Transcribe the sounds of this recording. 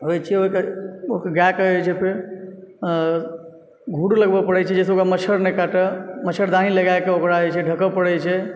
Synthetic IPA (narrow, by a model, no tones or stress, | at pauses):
ɦojt͡ʃʰiɛoikeokəɡakəət͡ʃʰɛpʰe | ɡʱuɽuləɡbəpəɽɛt͡ʃʰɛd͡ʒɛseokɾamət͡ʃʰəɾnɛkaʈəmət͡ʃʰəɾd̪ãɦiləɡaekeokɾaəjt͡ʃʰɛɖʱəkəpəɽɛt͡ʃʰɛ